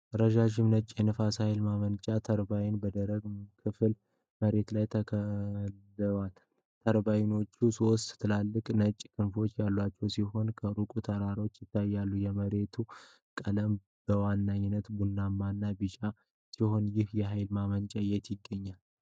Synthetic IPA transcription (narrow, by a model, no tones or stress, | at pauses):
ɾəʒaʒɪmnət͡ʃʼjɛnəfashajlmamənt͡ʃʼat̪ʰəɾbajɪnbəd̪əɾəɡkʰɨfl | məɾe̞t̪lajt̪ʰəkʰəlː | ɨat̪ | t̪ʰəɾbajɪno̞t͡ʃːusowst̪ʼt̪ʰɨlalːɨkʼnət͡ʃʼkʰɨnfo̞t͡ʃːjalːwat͡ʃːɛwsiɦo̞nkʰəɾukʼut̪ʰəɾaɾo̞t͡ʃːjɪt̪ːajːalːujɛməɾe̞t̪ʰu | kʼələm | b̥əwanːaɲːɪnːət̪bunːamːanːabɨt͡ʃʼa | siho̞njɪhjɛɦajlmamənt͡ʃʼajɛt̪jɪɡːəɲːal